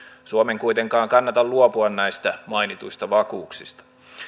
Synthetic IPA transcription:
suomeŋkujt̪e̞ŋkɑːŋkɑnːɑt̪ɑlluopuɑnnæjst̪æmɑinit̪ujst̪ɑʋɑkuːksist̪ɑ̥

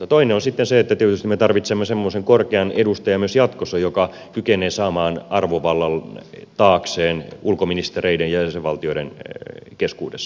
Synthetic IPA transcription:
ɑt̪oineonsit̪ːenseet̪ːæt̪ieøt̪yst̪imet̪ɑrʋit̪semːesemːoseŋkorkeɑnedust̪ɑjɑmyøsjɑt̪kosɑjokɑ | kykeneːsɑːmɑːnɑrʋoʋɑlːɑlt̪ɑːkseːnulkominist̪ereidejjæjæseʋɑlt̪ioiɾenkeskṵːdesːɑ̥

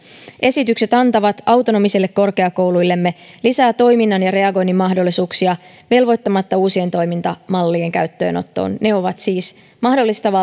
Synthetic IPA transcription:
ʔe̞sit̪ykse̞t̪ɑnt̪ɑʋɑt̪ɑwt̪o̞no̞misilːe̞kːo̞rke̞ɑko̞wlujlːe̞mːe̞lisæːt̪o̞jminːɑnjɑɾe̞ɑɡo̞jnːimːɑɦdo̞lːisuːksiɑ | ʋe̞lʋo̞jt̪ːɑmɑt̪ːɑuːsie̞nt̪o̞jmint̪ɑmɑlːieŋkæyt̪ːø̞̰ːno̞̰t̪ːo̰ːnneo̞ʋɑt̪siːs | mɑhdo̞lːist̪ɑʋɑ

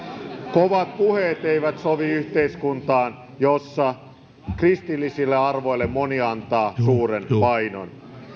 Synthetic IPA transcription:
koʋɑt̪̚puheːt̪eiʋæt̪soʋiyçt̪eiskunt̪ɑːn | josːɑ | krist̪ilːisilːeɑrʋo̞ilːemmoniɑnt̪ɑːsuːɾenpɑjno̰n

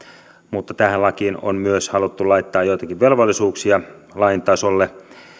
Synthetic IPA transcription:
mut̪ːɑt̪æhællɑkiːno̰nmyøshɑlut̪ːulɑit̪ːɑːjjoit̪ɑkiʋʋelʋolːisuːksiɑ | lɑint̪ɑsolːe

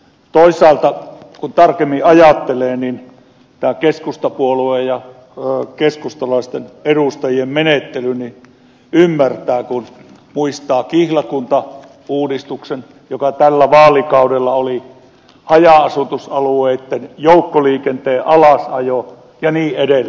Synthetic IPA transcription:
t̪oisˑɑˑːlt̪ɑ | kunt̪ɑrkemːiɑjɑt̪ːeleːnin | t̪æːkeskust̪ɑpuoluejjɑ | keskust̪ɑlɑist̪eneɾust̪ɑjiemmenet̪ːelyni | ymːært̪æːkun | muist̪ɑːkihlɑkunt̪ɑ | uːdist̪uksen | jokɑt̪ælːæʋɑːlikɑudelːɑoli | hɑjɑɑsut̪usɑlueit̪ːenjoukːoliːkent̪eːʔɑlɑsɑjo | jɑniːedelː

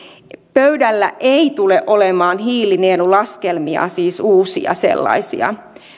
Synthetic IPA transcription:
pøydælːæʔeit̪uleʔolemɑːnɦiːlineːlulɑskelmiɑ̰siːsuːsḭɑ̰sḛlːɑ̰isḭɑ̰

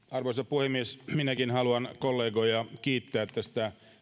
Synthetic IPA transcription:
ɑrʋoisɑpuhemiesminækinhɑluɑnkolːeːɡojɑkiːt̪ːæːet̪ːæsi̥t̪æ

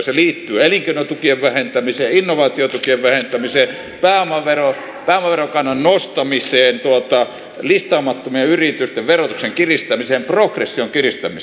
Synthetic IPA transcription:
seliːt̪ːyːeliŋkeˑinot̪ukieʋʋæhent̪æmiseːinːoʋɑːt̪iot̪ukieʋʋæhent̪æmiseː | pæːomɑʋero | pæːomɑʋerokɑnːɑnnost̪ɑmiseːnt̪uot̪ɑ | list̪ɑːmɑt̪ːomieyrit̪yst̪eʋʋerot̪ukseŋkirist̪ɑmiseːmprokresːioŋkirist̪ɑmi

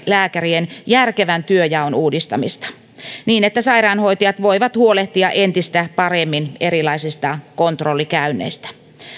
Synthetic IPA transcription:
læːkærienjærkeʋænt̪yøjæonuːdist̪ɑmist̪ɑ̥ | niːnet̪ːæsɑirɑːnhoit̪ijɑt̪ʋo̞iʋɑt̪huoleht̪iɑʔent̪ist̪æpɑremːineɾilɑisist̪ɑkont̪rolːikæynːˑḛist̪æ̥

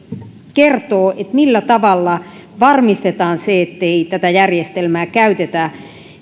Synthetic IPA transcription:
kert̪oːʔet̪milːæt̪ɑʋɑlːɑʋɑrmist̪et̪ɑːnseet̪ːeit̪æt̪æjærjest̪elmæːkæyt̪et̪æ

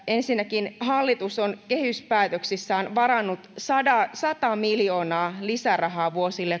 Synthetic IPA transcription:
ensinːækinhɑlːit̪usonkehyspæːt̪øksisːæːnʋɑɾɑnːut̪sɑdɑsɑt̪ɑmiljoːnɑːlisærɑɦɑːʋuosilːe

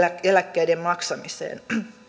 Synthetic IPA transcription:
æelækːeidemmɑksɑmisḛːn

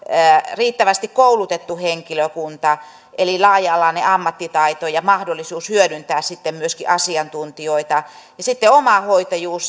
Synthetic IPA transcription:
əriːt̪ːæʋæst̪ikkoulut̪et̪ːuheŋkiløkunt̪ɑ | ʔelilɑːjɑlːɑneɑmːɑt̪ːit̪ɑit̪ojɑmɑhdolːˑisuːshyødynt̪æːssit̪ːemmyøskḭʔɑsiɑnt̪unt̪ioit̪ɑ | jɑsit̪ːeomɑhoit̪ɑjuːs

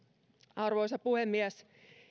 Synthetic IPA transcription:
ɑrʋoisɑpuhemːiæs

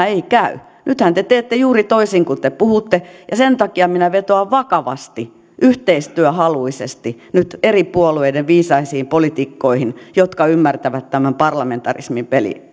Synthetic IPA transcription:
eikæy | nyt̪hænt̪et̪eːt̪ːejuːrit̪oisiŋkut̪epuhut̪ːejɑsent̪ɑkiɑminæʋet̪oɑʋʋɑkɑʋɑ̰st̪i | ʔyht̪eist̪yøhɑluisest̪i | nyt̪eripuolueideʋʋiːsɑisiːmpolit̪ikːoihinjot̪kɑymːært̪æʋæt̪t̪æmæmpɑrlɑment̪ɑrḭsmimpelḭ

